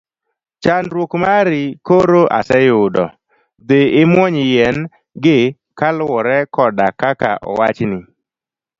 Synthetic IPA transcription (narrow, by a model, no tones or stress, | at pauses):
t͡ʃanɾwokmaɾɪkoɾoʔa̰sɛjʊdɔ | d̪eɪmwɔɲɪjɛn | ɡɪ | kalwɔɾɛkɔdakaka̰ʔɔ̰wat͡ʃnɪ